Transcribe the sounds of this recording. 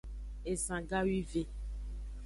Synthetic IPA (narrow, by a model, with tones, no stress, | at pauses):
e˨sã˨ɡa˦wi˦ve˦